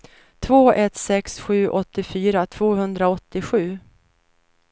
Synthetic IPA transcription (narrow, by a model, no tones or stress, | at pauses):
t̪ʰvoːɛt̪sɛksɧʉ̟ːʔɔt̪ːɪfyːɾat̪ʰv̥oːɦɵnd̪ɾaɔt̪ːɪɧʉ̟ː